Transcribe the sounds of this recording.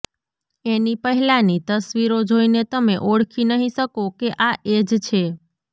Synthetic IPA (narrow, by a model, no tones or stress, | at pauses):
enipəɦɛlanit̪əsʋiɾod͡ʒoinet̪əmeʔoɽkʰinəɦĩʃəkokeʔaʔed͡ʒt͡ʃʰe